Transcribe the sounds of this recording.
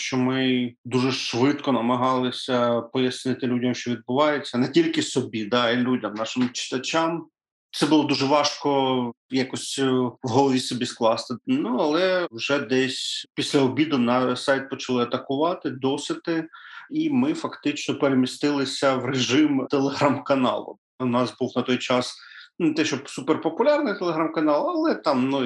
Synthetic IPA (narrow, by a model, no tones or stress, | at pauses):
ʃt͡ʃɔmɪd̪uʒɛʃʋɪt̪kɔnɐmɐɦɑlˠɪsʲɐpɔjɐsnɪt̪ɪlʲudʲɐmʃt͡ʃɔʋʲid̪̚bʊʋɑjet͡sʲːɐnɛtʲilʲkɪsɔbʲid̪ɑilʲudʲɐmnɑʃɪmt͡ʃɪ̥t̪ɐt͡ʃʲam | t̪sɛbʊlˠɔd̪uʒɛʋɑʃkɔ | jɑkɔsʲwɦɔlˠɔʋʲisɔbʲisklˠɑst̪ɪnuɐlˠɛwʒɛd̪ɛsʲpʲisʲlʲɐɔbʲid̪ʊnɐsajt̪̚pɔt͡ʃɐlˠɪɐt̪ɐkʊʋɑt̪ɪd̪ɔsʲɪt̪ɪimɪfɐkt̪ɪt͡ʃnɔpeɾemʲist̪ɪlˠɪsʲɐʋreʒɪmt̪elˠeɦɾamkɐnɑ̰lˠʊ̰ | wnɑzbuwnɐt̪ɔjt͡ʃɑsnt̪ɛʃɔsuperpɔpʊlʲɑrnɪjt̪elˠeɦɾamkɐnɑlˠɐlˠɛt̪ɑmnu